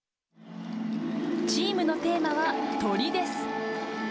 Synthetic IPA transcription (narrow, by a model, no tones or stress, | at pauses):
t͡ɕiːmɯ̟no̞t̪e̞ːmaβat̪o̞ɾʲid̪e̞sɨ̥